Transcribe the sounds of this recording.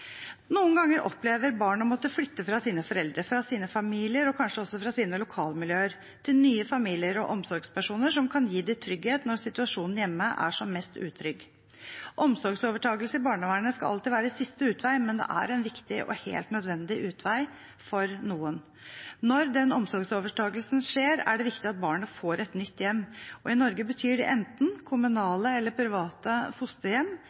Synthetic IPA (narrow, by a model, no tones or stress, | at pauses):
nuːənɡɑŋːəɾʔɔ̰pleːʋəɾbɑːɳɑmɔt̪ːəflʏt̪ːəfɾɑsiːnəfɔɾɛld̪ɾəfɾɑsiːnəfɑmiːlɪəɾɔkʰɑnʂəɔsːɔfɾɑsiːnəlʊkʰɑːlmɪljøːəɾ | t̪ʰɪlnyːəfɑmiːlɪəɾɔ̰ʔɔmsɔɾɡspʰæʂuːnəʂɔmkʰɑnjiːd̪ɪt̪ʰɾʏɡheːt̪nɔɾsɪt̪ʉɑʂuːnn̩jɛmːəʔæ̰ʂɔmːɛst̪ʉ̰ːt̪ʰɾʏɡ | ʔɔmsɔɾɡsoːʋəʈʰɑːɡəlsəɪbɑːɳəʋæːɳəskɑɑ̰lt̪ɪʋæːɾəsɪst̪əʉːt̪ʋæɪmɛnd̪ɛ̰ʔæ̰ɾɛɪnʋɪkt̪ɪʔɔ̰hḛːlt̪nœd̪ʋɛnd̪ɪʔʉːt̪ʰʋæɪ | fɔɾnuːən | nɔɾd̪ɛnɔmsɔɾɡsoːʋəʈʰɑːɡəlsnʂeːɾæ̰ɖɛʋɪkt̪ɪɑt̪̚bɑːɳəfoːɾɛt̪nʏt̪ːjɛmːɔɪnɔɾɡəbət̪ʰyːɖɛ̰ʔɛnt̪n̩kʰʊmʉnɑːləɛlːəɾpʰɾɪʋɑːt̪əfʊst̪əjɛmː